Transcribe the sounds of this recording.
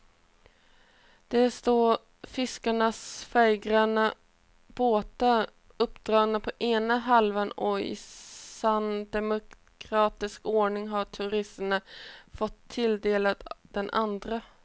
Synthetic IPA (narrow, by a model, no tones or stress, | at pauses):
d̪̥ɛst̪oːɾ | fɪskaɳasfɛjɡɾanə | b̥oːt̪a | ɵpːd̪̥ɾɑːɡnəpʰɔʔeːnaɦalvənɔɪ̰sand̪ɛmʊ | kʰɾɑːt̪ɪskoːɳɪŋɦaʈʰʉɾɪsənafɔt̪ʰːɪld̪eːlat̪d̪̥ɛnʔand̪ɾa